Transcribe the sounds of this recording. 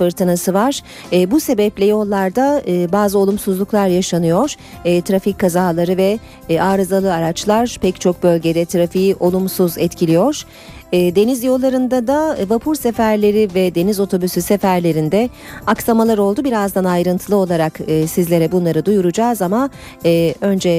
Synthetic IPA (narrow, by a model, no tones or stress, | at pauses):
fɯɾt̪ʰɯnasɯvaɾ̥ː | buse̞bɛplʲɛjo̞lˠːaɾd̪aɯːbaːzɯo̞lˠumsuzlˠuklˠaɾjaʃanɯjo̞ɾ̥ː | t̪ʰɾaficʰːazaːlˠaɾɯvɛ | aːɾɯzalˠɯaɾat͡ʃlˠaɾpʰɛct͡ʃʰo̞k̚bø̞lʲɟe̞d̪ɛt̪ʰɾafiiʔo̞lˠumsuzɛt̪cʰilʲijo̞ɾ̥ː | d̪e̞nizjo̞lˠːaɾɯnd̪ad̪avapʰuɾsefæɾlʲe̞ɾivɛd̪e̞nizo̞t̪ʰo̞bysysefæɾlʲe̞ɾind̪ɛ | aksamalˠaɾo̞lˠd̪ubiɾazd̪anajɾɯnt̪ʰɯlˠɯo̞lˠaɾakɯːsizlʲeɾɛbunlˠaɾɯd̪ujuɾud͡ʒaːzamaː | ø̞nd͡ʒɛ